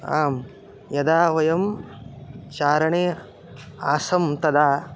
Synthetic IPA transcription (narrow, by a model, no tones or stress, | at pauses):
aːm | jɐd̪aːʋɐjɐm | t͡ʃaːɾɐɳeː | aːsɐmt̪ɐd̪aː